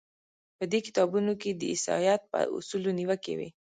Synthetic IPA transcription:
pəd̪ekɪ̥t̪ɑbunoked̪əɪsɑ̰jɑt̪̚pə̰ṵsuloniwəkḛwḛ

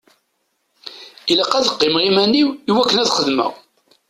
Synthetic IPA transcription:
iləqːæðəqːɪmʁimænːiwːwækːənæðχəðmæ̰

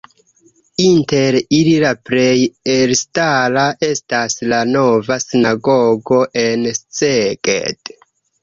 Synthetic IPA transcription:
inte̞ɾililapɾe̞jelstalaʔe̞staslano̞vasinaɡoɡo̞ʔe̞nst͡sekʼḛd̥

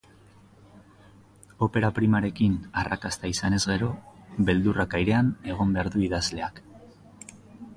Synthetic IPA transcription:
o̞pe̞ɾapɾimaɾe̞kinarʔa̰kast̪aisane̞zɣe̞ɾo̞be̞ld̪urakajɾe̞ane̞ɣ̞o̞mbe̞aɾðuiðazle̞ak

